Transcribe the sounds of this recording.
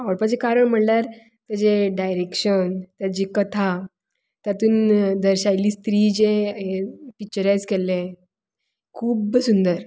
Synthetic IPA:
aʋəɭpad͡ʑekaɾəɳm̤əɳljaɾ | t̪əɾd͡ʑeɖajɾekɕənt̪jad͡ʑikət̪ʰa | t̪jat̪uːnd̪əɾɕajliːst̪ɾiːd͡ʑeɦepik̚t͡ɕəɾajd͡zkele | kʰuːbsund̪əɾ

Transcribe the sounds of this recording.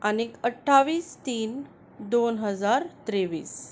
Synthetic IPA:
anikəʈʰːaʋiːst̪iːn | d̪onɦəd͡zaɾt̪ɾeʋiːs

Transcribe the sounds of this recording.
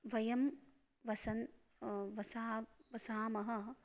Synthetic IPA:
ʋɐjɐm | ʋɐsɐn | ʋɐsaːʋɐsaːmɐɦɐ̆

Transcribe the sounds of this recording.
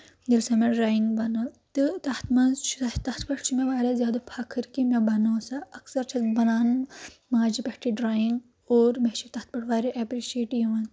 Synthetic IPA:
d̪ilsɐmeɾaːjiŋɡbɐnɐt̪ɨt̪ɐht̪mɐnzt͡ʃʰt̪ɐt̪pɐʈt͡ʃʰimeʋaːɾɐzjaːd̪ɐpʰakʰːɨɾkimebɐnoːsɐɐksɐɾt͡ʃʰɐt̪bɐnaːnmaːd͡ʒipɐʈʰiɖɾaːjiŋɡ | oːɾmet͡ʃit̪ɐht̪̚pɐʈʰʋaːɾiʔɛpɾiʃeːʈjuʋɐn

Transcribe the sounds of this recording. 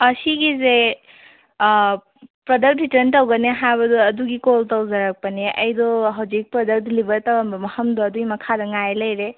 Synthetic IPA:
ɐsiɡize | pɾɔdɐk̚tɾitɐɾntɔwɡɐneɦabɐdɔɐduɡikoltɔwzaɾak̚pɐneʔɐ̰jdɔɦawzik̚pɾɔdək̚dlibɐɾtawanbɐmɐhəmdɔːduimɐkʰadɐŋajlɐjɾe

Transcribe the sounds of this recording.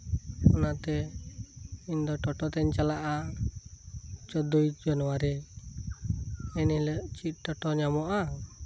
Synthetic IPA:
ɔnat̪ɛ | ind̪ɔʈɔʈɔt̪ɛɲt͡ʃalaʔa | t͡ʃɔd̪ojd͡ʒanɔwaɾi | ɛnilɛʔt͡ʃit̪̚ʈɔʈɔɲamɔʔa

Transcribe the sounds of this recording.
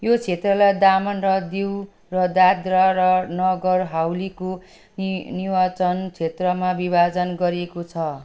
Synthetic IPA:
jot͡sʰet̪rʌlajd̪amʌnrʌd̪iw | rʌd̪ad̪ɾaɾʌnʌɡʌrɦawliko | niwat͡sʌnt͡sʰet̪rʌmabibad͡zʌnɡʌɾiekot͡sʰʌ

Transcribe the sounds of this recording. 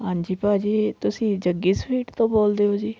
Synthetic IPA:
ɦãːɲd͡ʒiːpaːd͡ʒiːt̪ʊsĩːd͡ʒəɡiːspʰiːʈt̪õːboːld̪eːɦoːd͡ʒiː

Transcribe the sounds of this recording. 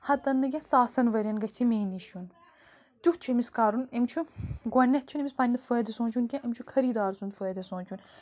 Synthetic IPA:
hɐt̪ɐnːɨkʲẽsaːsɐnʋɐɾʲɐnɡɐt͡ʃʰimeːniʃun | t̪ʲuht͡ʃʰuemiskaːɾunemt͡ʃʰuɡʷɐnʲːɐt̪t͡ʃʰunemispɐnʲnɨfəːd̪ɐsõːnt͡ʃʰunkʲẽʔemt͡ʃʰukʰɐɾiːd̪aːɾsunfəːd̪ɐsõːnt͡ʃʰun

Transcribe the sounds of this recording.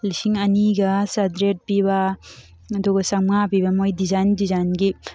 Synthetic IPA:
lisiŋɐniɡɐsadɾet̚pibɐ | doɡɐsaŋmŋapibɐmojdizajndizajnɡi

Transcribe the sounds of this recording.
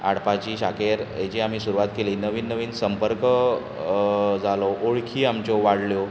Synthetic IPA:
a̰ɽpat͡ɕiːɕakeɾɦet͡ɕiam̤iːsuɾuʋat̪keliːnəʋiːnːəʋiːnsəmpəɾkə | d͡zaloʔoɭkʰiːamt͡ɕoʋaɽ̤ljo

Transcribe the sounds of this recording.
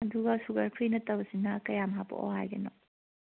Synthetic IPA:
ɐduɡɐsuɡɐɾpʰinɐtɐbɐsinɐkɐjamɦapo̰ʔɔ̰ɦajɡɐ̰nɔ

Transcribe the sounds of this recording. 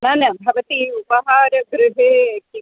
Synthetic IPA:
naːnɐbʱɐʋɐt̪iupɐɦaːɾɐɡɾʊɦeːki

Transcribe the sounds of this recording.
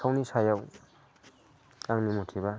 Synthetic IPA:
awnisajaw | aŋnimɔtʰiβa

